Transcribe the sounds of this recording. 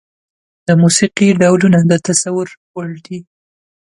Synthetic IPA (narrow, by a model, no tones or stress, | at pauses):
d̪̥əmusiqiɖawlunad̪ət̪asawʊɾwaɭd̪i